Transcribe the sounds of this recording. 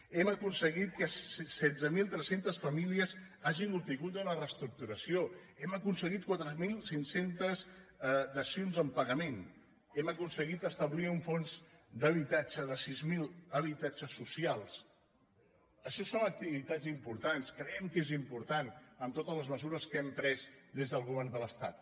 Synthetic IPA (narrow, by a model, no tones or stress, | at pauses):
ɛməkunsəɣit̪̚kəssɛdd͡zəmilˠt̪ɾɛsent̪əsfəmiliəzaʒinup̚t̪iɣut̪unərəst̪ɾuk̚t̪uɾəsio | ɛməkunsəɣit̪̚kwat̪ɾəmilˠsiŋsent̪əzd̪əsionzəmpəɣəmen | ɛməkunsəɣit̪əst̪əβliuɱfonzd̪əβit̪ad͡ʒəðəsizmilˠəβit̪ad͡ʒəsːusialˠs | əʃɔsːonək̚t̪iβit̪ad͡zimpuɾt̪anskɾəɛmkezimpuɾt̪anəmt̪ot̪əzləzməzuɾəskɛmpɾɛzd̪ezðəlˠɣuβɛɾnd̪ələst̪a̰t̪